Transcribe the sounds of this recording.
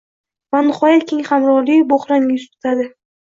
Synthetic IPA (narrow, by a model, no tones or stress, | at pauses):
vanɪχɒjat̪̚kʲʰeŋʲχamɾɒɾliboχɾamjʊst̪ʰʊ̥t̪ʰad̪ɪ